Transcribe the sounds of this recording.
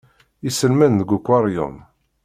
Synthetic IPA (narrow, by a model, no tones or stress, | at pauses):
isəlmænðəɡʷukʷːɑɾˤjo̰n